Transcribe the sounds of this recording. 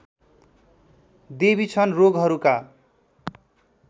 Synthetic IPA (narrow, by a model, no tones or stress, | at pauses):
d̪ebit͡sʰʌnroɡɦʌɾuka